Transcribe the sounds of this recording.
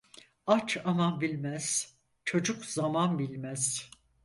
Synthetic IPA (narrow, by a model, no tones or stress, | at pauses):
at͡ʃʰamanbilʲmæz̥ | t͡ʃʰo̞d͡ʒukzamanbilʲmæz̥